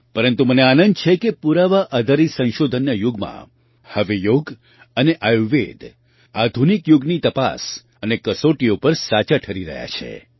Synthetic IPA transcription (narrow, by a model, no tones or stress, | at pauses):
pəɾənt̪uməneanənd̪t͡ʃʰekepuɾaʋaʔəd̪ʱəɾisə̃ñʃod̪ʱənjəjuɡmã̰ | həʋejoɡ | əneʔajuʋed̪ | ad̪ʱunikjuɡnit̪əpa̰s | ənekəsoʈijopəɾsat͡ʃaʈʰəɾiɾə̰ɦja̰t͡ʃʰḛ